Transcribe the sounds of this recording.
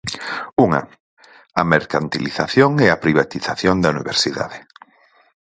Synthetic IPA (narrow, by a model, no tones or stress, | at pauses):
uŋɐ̰ | ameɾkant̪iliθaθjoŋeapɾiβat̪iθaθjond̪ɐuniβeɾsiða̰ðɪ